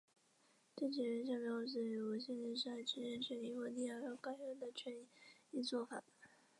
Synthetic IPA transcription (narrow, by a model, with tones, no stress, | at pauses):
ʈ͡ʂɤ˥˩t͡ɕi˨˩ɻə˧˥nɕ̬jɑ˥˩ŋpjɑ˧˥ʊt͡ɕɛ˨˩˥wə˨˩ɕjnɻə˧˥nʂ̬ɻ̩˥˩a˧˥˩ʈ͡ʂʰɻ̩˧˥ɻɛ˥˩nɕə˥nli˧˩xwɔ˥˧ni˥˧ɑ˥˩jo˥˩ʊka˥˩ɪə˥nd̪ə˨t͡ɕʰɥɛ˧˥ni˧˥˦i˥t͡swɔ˥˩fa̰˨˩˦